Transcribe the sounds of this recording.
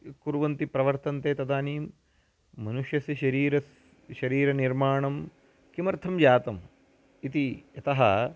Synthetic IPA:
kuɾuʋɐnt̪ipɾɐʋɐɾt̪ɐnt̪eːt̪ɐd̪aːniːmː | ɐnuʂjɐsiʃɐɾiːɾɐs | ʃɐɾiːɾɐniɾmaːɳɐm | kimɐɾt̪ʰɐmd͡ʒaːt̪ɐm | it̪iɐt̪ɐɦɐ

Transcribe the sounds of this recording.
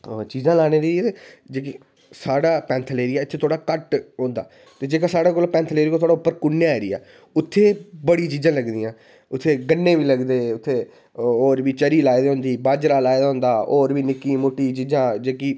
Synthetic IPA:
t͡ʃiːzãːlaːɽ̃eːɾit̪ed͡ʒeːki | saːɽaːpɛ̃ːnt̪ʰleːɾiːɛːɪt̪ʰːeːt̪ʰoːɽaːkəʈɦõːnd̪a̰ː | t̪eːd͡ʒeːkãːsaːɽaːkoːlpɛ̃ːnt̪ʰleːɾiːkot̪ʰoːɽaʊpːəɾkʊnːjɾɪ̰ːa̰ː | ʊt̪ʰːeːbəɽiːt͡ʃiːzãːləɡd̪iːãː | ʊt̪ʰːeːɡənːẽːʋiːləɡd̪eːʊt̪ʰːeː | oːɾʋiːt͡ʃəɾiːlaːid̪aːɦʊ̃nd̪iːbaːd͡ʒɾaːlaːed̪aːɦʊ̃ːnd̪aːoːɾʋiːnɪkːiːmoːʈːiːt͡ʃiːzãːd͡ʒeːkiː

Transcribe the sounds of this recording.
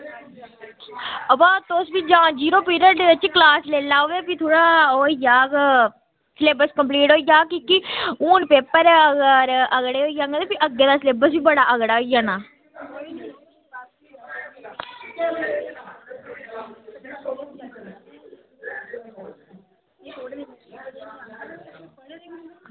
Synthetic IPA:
əbaːt̪oːsbiːd͡ʒãːd͡ʒiːɾoːpiːɾəʈːət͡ʃiklaːsleːlaːoːʋeːpit̪ʰoːɽaːoːijaːk | sleːbəskəmp̬liːʈɦoːijaːkikiuːnpeːpːəɾəɡəɾəɡɽeːɦoːiːjaːŋɡəd̪eːpiʔəɡeːd̪aːsleːbəsbiːbəɽaːʔəɡɽaːoijaːnaː

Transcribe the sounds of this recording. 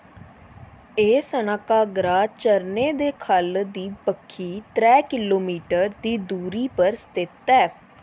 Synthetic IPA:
eːsənaːkaːɡɾaːt͡ʃəɾneːd̪eːkʰəld̪iːpəkʰːiːt̪ɾɛːkɪloːmiːʈəɾd̪iːd̪uːɾiːpəɾst̪ɪt̪ɛː

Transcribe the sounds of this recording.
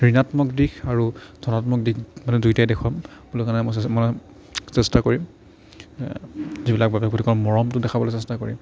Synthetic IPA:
ɹinatmɔkdikʰaɹudʱɔnatmɔk̚dikmanɛdujtajdɛkʰwampulɔkanɛmɔsmanɛ | sɛstakoɹim | zibilak̚babɛkotikɔɹmɔɹɔmtʊdɛkʰabɔlesɛstakoɹḭm

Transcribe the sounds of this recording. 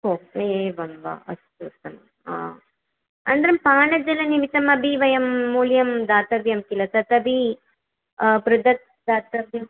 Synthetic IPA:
koːeeːʋɐnʋa̰ɐ̰st̪uːt̪ːɐm̰ | a̰ː | ɐnd̪ɐɾɐmpaːnɐd͡ʒɐlɐnimit̪ːɐmɐbʱiʋɐjɐmːuːljɐmd̪aːt̪ɐbjɐmkilɐt̪ɐt̪ɐbi | pɾʊd̪ɐt̪̚ | d̪aːt̪ɐbjɐm

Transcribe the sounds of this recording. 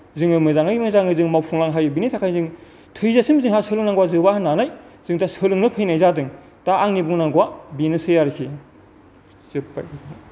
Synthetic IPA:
zɯŋɯmɯzaŋɯmɯzaŋɯzɯŋmawpʰuŋlaŋɦajbinitʰakʰajzɯŋ | tʰɯjzasimzɯŋɦasɯlɯŋnaŋɡwazɯbahanːanajzɯŋtasɯlɯŋnɯpʰɯjnajzadɯŋ | taʔaŋnibuŋnaŋɡwabinɯsɯjaɾkʰi | zɯpːa̰jʰz

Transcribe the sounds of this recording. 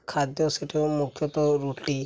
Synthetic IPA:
kʰad̪jɔseʈʰemukʰjɔt̪ɔɾuʈi

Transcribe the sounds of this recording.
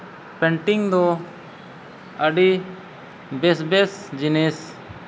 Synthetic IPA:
pɛ̃ɳʈiŋd̪ɔ | əɖi | besbesd͡ʒinis

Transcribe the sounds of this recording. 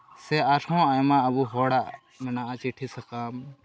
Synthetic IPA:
sɛaɾhɔ̃ajmaːbuɦɔɽaʔ | mɛnaʔat͡ʃiʈʰisɐkam

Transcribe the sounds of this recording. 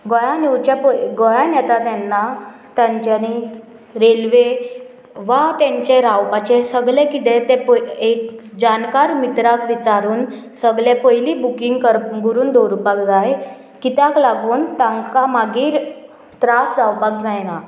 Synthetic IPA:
ɡɔjãnewt͡ɕapəɡɔjãnjɛt̪at̪ɛnːa | t̪jãɲt͡ɕani | ɾelʋe | ʋat̪ɛ̃ɲt͡ɕɛɾawpat͡ɕɛsəɡlɛ̃kit̪ɛ̃t̪ɛpekd͡ʑankaɾmit̪ɾakʋit͡saɾuːn | səɡlɛpəjliːbukiŋɡkəɾɡuɾuːnd̪oɾupakd͡zaje | kit̪jaklaɡuːnt̪ãŋkamaɡiːɾ | t̪ɾasd͡zawpak̚d͡zajna

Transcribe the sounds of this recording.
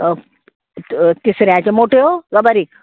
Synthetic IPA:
t̪isɾjãt͡ɕemoʈʰeoɡɐbəɾi

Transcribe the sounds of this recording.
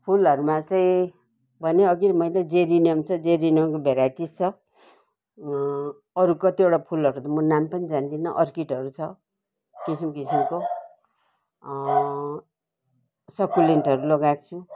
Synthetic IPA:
pʰulʌɾumat͡saĩ | bʱʌneʌɡiɾmʌjled͡zeɾinijʌmt͡sʰʌd͡zeɾiniʌmkobʱeɾaʈist͡sʰʌ | ʌɾukʌt̪ieʈapʰulʌɾut̪ʌmʌnampʌnid͡zand̪inʌʔʌrkiʈʌɾut͡sʰʌ | kisimkisimko | sʌkuleɳʈʌɾulʌɡakt͡sʰu

